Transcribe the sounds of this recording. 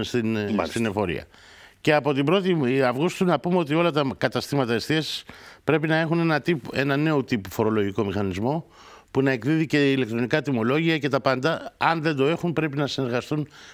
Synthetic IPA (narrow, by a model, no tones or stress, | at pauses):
st̪inst̪inefo̞ɾḭɐ̰ | ce̞ɐpo̞t̪ibɾo̞t̪iɐvɣust̪unɐpumeo̞t̪̬io̞lɐt̪ɐkɐt̪ɐst̪imɐt̪ɐest̪iɐsi̥spɾe̞pinɐe̞xune̞nɐt̪ipe̞nɐne̞ot̪ipufo̞ɾo̞lo̞ʝiko̞mixɐnizmo̞ | punɐe̞kðiðice̞ilekt̪ɾo̞nikɐt̪imo̞lo̞ʝiɐce̞t̪ɐpɐnd̪ɐɐnðe̞nd̪o̞e̞xunpɾe̞pinɐsine̞ɾɣɐst̪un